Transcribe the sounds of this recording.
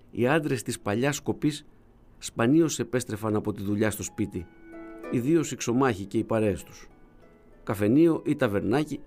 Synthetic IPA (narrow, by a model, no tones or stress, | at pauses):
ḭɐnd̪ɾe̞st̪ispɐʎɐsko̞pisː | pɐnio̞se̞pe̞st̪ɾe̞fɐnɐpo̞t̪iðuʎɐst̪o̞spit̪i | iðio̞sikso̞mɐçice̞ipɐɾe̞ːst̪u̥s | kɐfe̞nio̞ʔit̪ɐve̞ɾnɐci